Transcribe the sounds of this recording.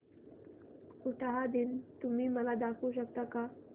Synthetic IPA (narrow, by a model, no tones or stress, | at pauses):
kuʈaɦad̪int̪umimalad̪akuʃak̚t̪aka